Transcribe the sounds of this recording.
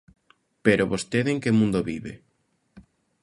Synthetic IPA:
peɾoβost̪eðeŋkemũnd̪oβiβḛ

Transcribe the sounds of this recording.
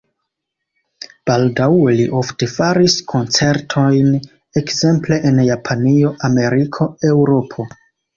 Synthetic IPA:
b̥aldawe̞liʔo̞fte̞faɾiskʰo̞nt͡se̞ɾtʰo̞jn | e̞kze̞mple̞ʔenjapʰanio̞ʔame̞ɾikʰo̞e̞wɾo̞pʰo̞

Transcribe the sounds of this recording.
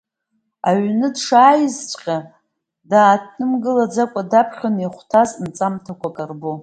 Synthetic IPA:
aɥnɨdʂaːjɪzt͡ɕʷʼqʲʼa | daːtʰnɨmɡɨlad͡zakʷʼadapʰχʲoneχʷtʰaznt͡sʼamtʰakʷʰakʼarbo

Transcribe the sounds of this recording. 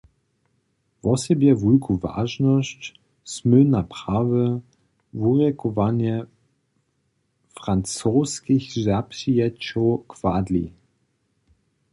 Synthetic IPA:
vɔsɛbjɛvujkʰuva̰ʒnɔst͡ɕ | smɵnapʁ̥avɛ | vuʁjɛkɔvanjɛ | fʁant͡soːskixzaprijɛt͡ʃɔwkvad̪lḭ

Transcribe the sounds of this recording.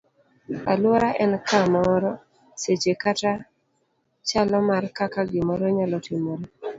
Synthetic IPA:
a̰lwɔɾaʔɛnkamɔɾɔ | set͡ʃekata | t͡ʃalɔmarkakaɡɪmɔɾɔɲalɔtimoɾe

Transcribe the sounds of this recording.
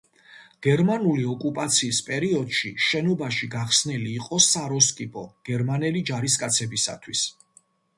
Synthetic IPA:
ɡ̥ɛɾmanuliɔkʼupʼat̪sʰiːspʼɛɾiɔd̪̥ʃiʃɛnɔbaʃiɡaχsniliːqʼɔsaɾɔskʼipʰʼɔɡ̥ɛɾmanɛlid͡ʒaɾiskʼat̪sʰɛbisa̰t̪ʰwis

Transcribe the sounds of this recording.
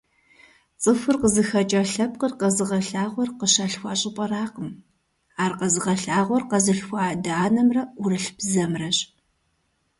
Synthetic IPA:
t͡sʼɨfɨrqəzɨxɐt͡ʃʼɐɬɐp̚qərqɐzɨʁɐɬaːʁʷɔrqəɕaːɬxʷɑːɕʼɪpʼɐraːqəm | aːrqɐzɨʁɐɬaːʁʷɔrqɐzɨɬxʷaːdaaːnɐmrɐʊrɨɬb̥zɐmrɐɕʼ

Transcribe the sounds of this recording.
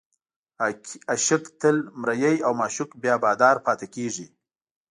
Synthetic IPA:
aʃɪkt̪əlmɾajajawmɑʃʊkbjɑbɑːd̪ɑɾpɑt̪ekeʐi

